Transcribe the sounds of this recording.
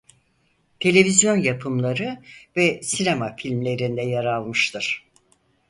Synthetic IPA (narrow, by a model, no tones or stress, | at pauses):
t̪ʰe̞lʲe̞vizjo̞njapʰɯmlˠaɾɯvɛsinemafilʲmlʲe̞ɾind̪ɛjaɾalˠmɯʃt̪ʰɯɾ̥